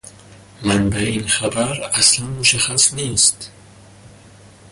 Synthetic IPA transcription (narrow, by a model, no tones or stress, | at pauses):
manbainχabaɾaslanmuʃaχːasnest̪